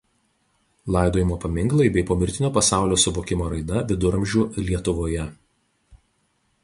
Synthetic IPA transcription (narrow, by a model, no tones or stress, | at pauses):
lˠɑˑɪd̪oːjɪmoːpɐmʲɪŋɡlˠɐɪbʲɛɪpoːmʲɪɾʲt̪ʲɪnʲoːpɐsɑˑʊlʲoːsʊmoːkʲɪmoːɾɐɪd̪ɐʋʲɪd̪ʊɾɐmʲʒʲuːlʲiɛt̪ʊʋoːjɛ